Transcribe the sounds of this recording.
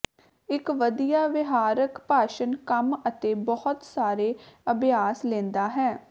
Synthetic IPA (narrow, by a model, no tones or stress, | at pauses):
ɪkʋəd̪ijaːʋɪɦaːɾəkpaːʃənkəmət̪eːbɔhʊt̪saːɾeːəbjaːslẽːnd̪aːɦɛː